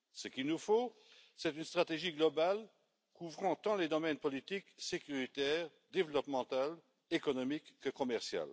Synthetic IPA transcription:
səkilnufo | sɛt̪ynst̪χat̪eʒiɡlɔbal | kuvʁɑ̃t̪ɑ̃led̪ɔmɛnpɔlit̪iksekyʁit̪ɛːʁ | d̪evlɔpmɑ̃t̪al | ekɔnɔmikːəkɔmɛʁsja̰l

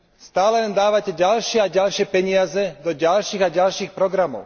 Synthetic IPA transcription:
st̪aːlɛlɛnd̪aːʋacɛɟalʃɪɛaɟalʃɪɛpɛɲɪazɛd̪ɔɟalʃiːɣaɟalʃiːxpɾɔɡɾamɔ̰ʊ

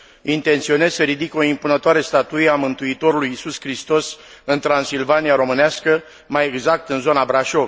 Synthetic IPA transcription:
int̪e̞nt̪sio̞ne̞zsəɾid̪iko̞impunət̪oaɾe̞st̪at̪ujeamɨnt̪uit̪o̞ɾulujisuskɾist̪o̞s | ɨnt̪ɾansilvaniaɾo̞mɨneaskə | maje̞ɡzak̚t̪ɨnzo̞nabɾaʃo̞v

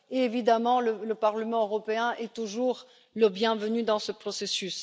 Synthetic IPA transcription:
eevid̪amɑ̃lələpaʁləmɑ̃øʁɔpeɛ̃ʔɛt̪uʒuʁ | ləbjɛ̃vənyd̪ɑ̃səpχɔsesys

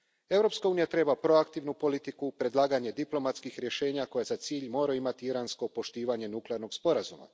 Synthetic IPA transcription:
e̞vɾo̞pskauːnijat̪ɾe̞bapɾo̞akt̪iʋnupo̞lit̪ikupɾe̞d̪lˠaːɡaɲe̞d̪iplo̞mat̪skixɾje̞ʃe̞ːɲako̞jazat̪siːʎmo̞ːɾaimat̪iiɾansko̞po̞ʃt̪iːʋaɲe̞nukleaɾno̞ɡspo̞ɾazuma̰

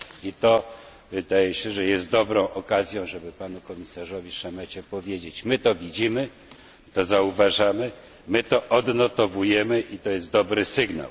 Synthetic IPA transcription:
it̪ɔ | vɘd̪ajɛɕɛʐɛjɛst̪̚d̪ɔbɾɔ̃w̃ʔɔkazʲjɔ̃w̃ʐɛbɘpanukɔmʲisaʐɔvʲiʂamɛt͡ɕɛpɔvʲjed͡ʑet͡ɕmɘt̪ɔvʲid͡ʑimɘ | t̪ɔzauvaʐamɘ | mɘt̪ɔʔɔd̪nɔt̪ɔvujɛmɘʔit̪ɔjɛst̪d̪ɔbɾɘsɘɡna̰w

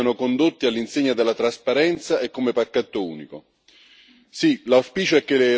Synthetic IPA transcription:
anokond̪ot̪ːialːinseɲːad̪elːat̪ɾaspaɾɛnt̪saekːomepakːat̪ːoṵːniko | silawspiːt͡ʃoɛkːelɪ

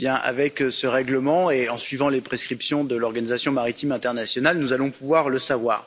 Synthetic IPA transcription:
bjɛ̃ʔa̰vɛksəʁɛɡləmɑ̃eɑ̃sɥivɑ̃lepχeskχipsjɔ̃d̪əlɔʁɡanizasjɔ̃maʁit̪imɛ̃t̪ɛʁnasjɔnalnuzalɔ̃puvwaʁləsavwa̰ːʁ

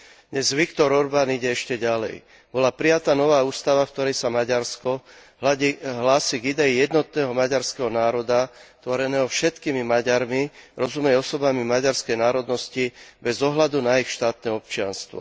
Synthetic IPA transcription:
d̪ɲɛzʋikt̪ɔɾɔɾbaːniɟɛɛʃcɛɟalɛ̰j | bɔlapɾijat̪aːnɔʋaːuːst̪aʋafk̚t̪ɔɾɛjsamaɟaɾskɔɦlaɦlaːsiɡid̪ɛijɛd̪nɔt̪̚nɛːɦɔmaɟaɾskɛɦɔnaːɾɔd̪at̪ʋɔɾɛnɛːɦɔfʃɛt̪kiːmimaɟaɾmiɾɔzumɛjɔsɔbamimaɟaɾskɛjnaːɾɔd̪nɔscibɛzɔɦlad̪unaixʃt̪aːt̪nɛɔp̚t͡ʃɪa̰nst̪ʋɔ̰

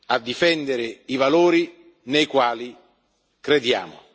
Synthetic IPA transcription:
ad̪ːifɛnd̪eɾɪivaloːɾi | nejkwaːli | kɾed̪ja̰ːmʊ̰

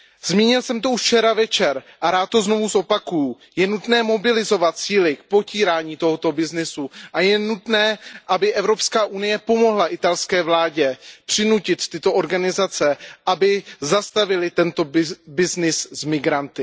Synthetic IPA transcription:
z̥miːɲɪlsɛmt̪o̞uʃt͡ʃɛɾavɛt͡ʃɛɾʔaɾaːt̪̚tːo̞zno̞vuzʔo̞pakuju | jɛnut̪nɛːmo̞bɪlɪzo̞vat̪̚t͡siːlɪk̚po̞ciːɾaːɲiːt̪o̞ɦot̪o̞bɪznɪsuʔajɛnut̪nɛːʔabɪʔɛvɾo̞pskaːʔunɪjɛpo̞mo̞ɦlaʔɪt̪alskɛːvlaːɟɛpr̝̥ɪnucɪt̪ːɪt̪o̞ʔo̞ɾɡanɪzat͡sɛʔabɪzast̪avɪlɪt̪ɛnt̪o̞bɪznɪszmɪɡɾant̪ɪ

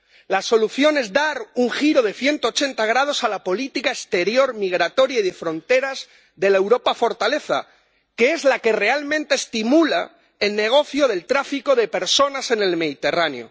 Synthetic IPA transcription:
laso̞luθjo̞ne̞zd̪aɾuŋxiɾo̞ð̞e̞θje̞nt̪oːt͡ʃe̞nt̪aɣ̞ɾað̞o̞salapo̞lit̪ikaest̪eɾjo̞ɾmiɣ̞ɾat̪o̞ɾjaiðefɾo̞nt̪e̞ɾaz | ðe̞lae̞wɾo̞pafo̞ɾt̪ale̞θa̰ | ke̞e̞zlake̞re̞almẽnt̪e̞ːst̪imula | elne̞ɣ̞o̞θjoðe̞lt̪ɾafiko̞ðe̞pe̞ɾso̞nase̞ne̞lme̞ðit̪e̞ranḛjo̞̰

